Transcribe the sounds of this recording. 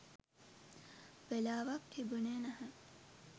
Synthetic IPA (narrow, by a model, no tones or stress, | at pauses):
ʋelaːʋak̚t̪ʰibunenɐɦə